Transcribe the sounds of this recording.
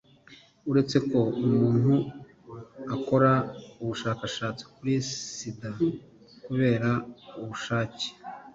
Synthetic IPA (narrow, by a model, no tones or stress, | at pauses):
uɾe̞t͡se̞ko̞umuːn̥hu | ako̞ɾauβuʃaːkaʃaːt͡si̥kuɾisida | kuβe̞ːɾauβuʃaːce̥